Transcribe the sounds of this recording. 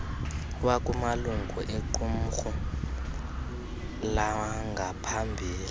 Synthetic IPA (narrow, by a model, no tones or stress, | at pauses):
wakʼumaluŋʱuʔeǃum̩xu | lawaŋɡʱapʰambʱiːli